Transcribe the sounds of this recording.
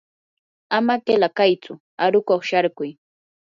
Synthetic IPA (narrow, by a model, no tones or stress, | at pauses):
amakelakajt͡sʊ | aɾʊkoχʃaɾkʊj